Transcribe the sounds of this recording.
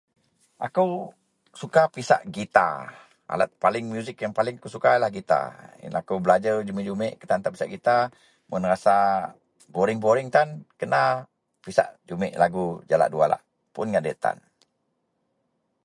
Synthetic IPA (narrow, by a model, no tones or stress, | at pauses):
ʔakəw | sukapisa̰ʔɡit̪a̰ | a̰lat̪̚palɪŋmjuzɪkjaŋpalɪŋakusukajlahɡit̪a̰akəwbəlad͡ʒəd͡ʒumiʔd͡ʒumɪʔkə̥t̪ant̪api̥saʔɡit̪a | mənrasa | boɾɪŋboɾɪŋt̪ankəna | pisa̰ʔd͡ʒumɪ̰ʔlaɡud͡ʒala̰ʔdua̰la̰ʔ | pʊnŋaʔdɛʔt̪a̰n